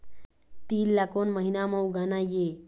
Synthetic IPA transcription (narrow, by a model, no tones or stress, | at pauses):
t̪iːlːakonməɦinaməwɡanaje